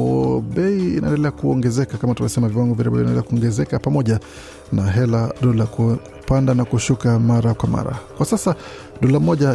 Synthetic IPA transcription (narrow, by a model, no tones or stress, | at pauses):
ɔɓɛiḭnaɛ̰ndɛlɛakuɔŋɡɛzɛkakamatumavsɛmaviwaŋɡɔviɾɛbɛlindɛlɛ̰akuɔŋɡɛzɛkapamɔʄa | naɦɛlaɗɔlakupandanakuʃukamaɾakwama̰ɾa̰kwasasa | ɗɔlam̩mɔʄa